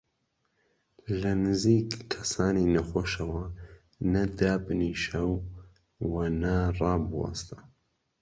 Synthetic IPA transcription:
lɐnɨziːkkʰɐsaːninɐxoːʃɐwɐ | nɐd̪aːbniʃɐw | wɐnɐrɑːbwɑ̰st̪ɐ̥

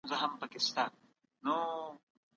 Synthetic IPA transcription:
zəɦɐmpəkɪst̪a | no

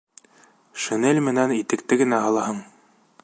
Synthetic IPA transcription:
ʃɘ̆nelʲmɘ̆nænit̪ɘ̆k̚t̪ɘɡɘ̆næɦɑlˠɑɦɤɴ

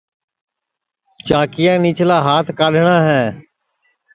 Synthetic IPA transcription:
t͡ʃaːkɪjãːniːt͡ʃlaːɦaːt̪ʰkaːɗʱɳãːɦɛ̃ː

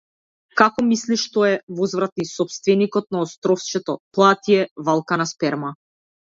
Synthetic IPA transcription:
kakɔmisliʃt̪ɔɛvɔzvɾat̪isɔpst̪vɛnikɔt̪̚naɔst̪ɾɔft͡ʃɛt̪ɔplˠat̪iɛvalˠkanaspɛɾma

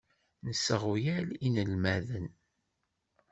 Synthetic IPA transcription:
nəsːəʁujælinəlmæðən

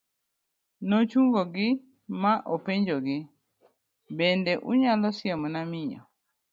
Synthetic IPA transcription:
not͡ʃuŋɡoɡɪ | maʔopeɲd͡ʒoɡɪ | bendeʔuɲalɔsɪjɛmɔnamɪɲɔ̰

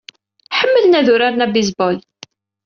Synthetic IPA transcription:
ħəmːəlnæðʊɾaɾnæbizbɔl

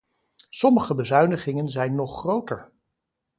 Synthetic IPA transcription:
sɔməχəbəzœɥnəχɪŋənzɛjnːɔχːrowtəɹ

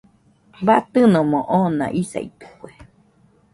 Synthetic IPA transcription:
bat̪ɨnõmõʔoːnã̰ʔisa̰it̪ɨ̥kʷue

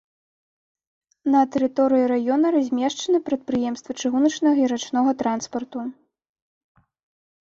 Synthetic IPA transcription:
nɐt̪ɛɾɨt̪ɔɾɨjiɾajɔnɐɾazʲmʲɛʂt͡ʂɐnɨpɾɐt̪̚pɾɨjɛmst̪vɐt͡ʂɨɣunɐt͡ʂnɐɣɐiɾat͡ʂnɔɣɐt̪ɾanspɐrt̪u

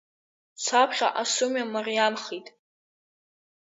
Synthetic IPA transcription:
sʷʰapʰχʲa̰ʔasumamarjamχitʼ

